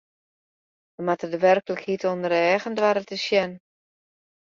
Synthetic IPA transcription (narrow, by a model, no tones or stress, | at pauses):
ʋəmatədəʋɛrkələkhitondəɾɛːɣəndʋaɾətəsjɛn